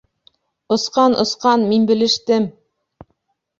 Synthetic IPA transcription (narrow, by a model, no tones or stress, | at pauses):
ŏsqɑnʔŏ̰sqɑnminbɘ̆lɘ̆ʃt̪ɘm